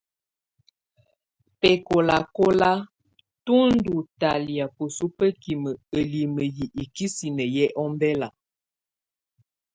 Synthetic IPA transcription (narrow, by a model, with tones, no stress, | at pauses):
pɛ˨ko˨la˨ko˦la˦ | tu˦n̩˦du˨ta˨li˨a˨pu˨su˦pə˦ki˨mə˨ə˨li˨mə˨ji˨ʔi˨ki˦si˨nə˨jɛ˦ʔɔ˦m˦bɛ˦la˨